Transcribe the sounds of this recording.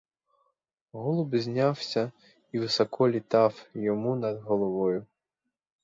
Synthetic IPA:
ɦɔlˠʊbzʲnʲawsʲɐ | iʋɪsɔkɔlʲit̪ɑwjɔmunɐd̪ɦɔlˠɔʋɔjʊ

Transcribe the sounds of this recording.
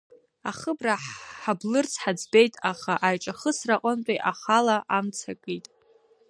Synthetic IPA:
aχəbraħablɨrt͡sʰħad͡zbe̞jtʼaχaʔajʈ͡ʂʼaχəsraqʼəntʷʼiʔaχalaʔamt͡sʰakʼijtʼ

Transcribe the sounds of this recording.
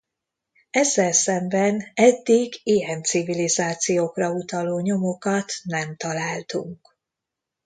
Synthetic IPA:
ɛzːɛlsɛmbɛnɛd̪ːiɡijɛnt̪sivilizaːt̪sijoːkrɒut̪ɒloːɲo̞mo̞kɒt̪nɛmt̪ɒlaːlt̪ṵŋk

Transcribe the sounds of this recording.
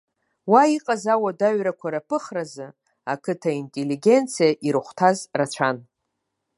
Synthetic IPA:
waiqʼazawadaɥɾakʷʰaɾapʰɨχrazɨ | akʰɨtʰaintʼelːiɡʲe̞nt͡sʰijaʔiɾɨχʷtʰazrat͡ʃʷʰan

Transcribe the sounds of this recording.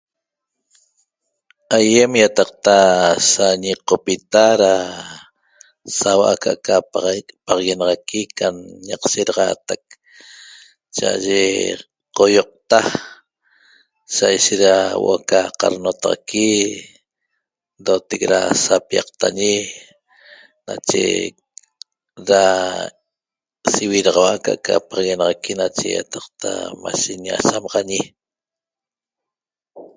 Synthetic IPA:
ajemjat̪ɑq̚t̪asaɲiqopit̪aɾa | sawaʔa̰kaʔkapɑʁɑɣenɑʁɑkikanɲɑqseɾɑʁɑːt̪ak̚ | t͡ʃaʔa̰ʒe | qojoq̚t̪a | sajʃet̪ɾawʔokaqɑ̰ɾnot̪ɑʁɑ̰ki | d̪ot̪ekɾasapijɑq̚t̪aɲi | nat͡ʃḛ | ɾa | siwiɾɑʁɑwakaʔkʰapʁɑɣenɑʁɑkinat͡ʃḛja̰t̪ɑqt̪ʰa̰maʃeɲa̰samɑʁɑɲi

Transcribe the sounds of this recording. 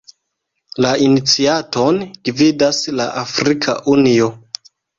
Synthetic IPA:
lainit͡siato̞nɡ̥vidasla̰ʔafɾikʰa̰ʔunio

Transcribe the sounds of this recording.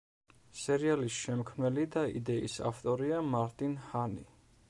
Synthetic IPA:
sɛɾialisʃɛmkʰmnɛlid̪aḭd̪ɛḭsa̰ft̪ʼɔɾiamaɾt̪ʼinhani

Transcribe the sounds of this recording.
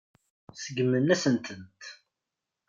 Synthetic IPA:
səɡmənæsənt̪ʰənt̪

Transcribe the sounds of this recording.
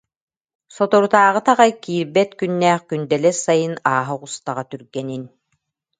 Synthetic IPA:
sɔt̪ɔɾut̪aːʁɯt̪aʁajkiːɾbɛt̪kynːæːχkynd̪ɛlɛsajɯnaːɦɔʁust̪aʁat̪yɾɡɛnin

